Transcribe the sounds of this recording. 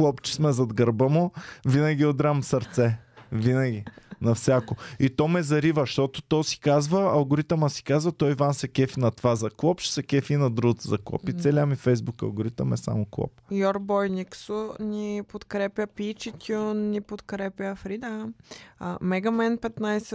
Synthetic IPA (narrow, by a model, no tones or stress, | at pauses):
klˠɔpt͡ʃɛ̥smɛzɐd̪ɡɐɾbəmovinɐɡʲiod̪ɾamsɐɾt̪sɛvinɐɡʲinɐfsʲjakoit̪ɔmɛzɐɾivəʃt̪ɔt̪ʊt̪ɔsi̥kazvəɐlˠɡʊɾit̪əmɐsi̥kazvɐt̪ɔivansɛkɛfinɐt̪vazɐklˠɔpʃsɛkʲɛfinɐd̪ɾuət̪zɐklˠɔ̰pit̪sɛlʲamifɛjzbukɐ̰lˠɡʊɾit̪əmɛsa̰moklˠɔ̰p̚jɔɾbɔjniksʊnʲipot̪kɾɛpʲjəpit͡ʃit̪ʲunːipot̪kɾɛpʲjəfɾid̪a | mɛɡɐmɛnpɛt̪najsɛ